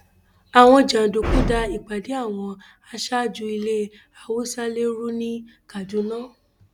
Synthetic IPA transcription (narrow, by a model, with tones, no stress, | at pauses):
a˨w̃ɔ̃˧d͡ʒã˨do˨kũ˦da˧i˨k͡pa˨di˨˦a˦˨w̃ɔ̃˧ | a˧ʃa˦d͡ʒu˧i˧le˦ | a˨wo˦sa˦le˦ɾu˦nĩ˦ | ka˨d͡ʒu˨˦nãː˦